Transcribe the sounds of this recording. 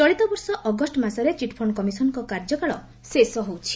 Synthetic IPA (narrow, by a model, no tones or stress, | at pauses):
t͡ʃɔɭit̪ɔbɔɾsɔʔɔɡɔsʈɔmasɔɾet͡ʃiʈpʰɔɳkɔmisɔnɔŋkɔkaɾd͡ʒɔkaɭɔ | sesɔɦowt͡ʃʰi̥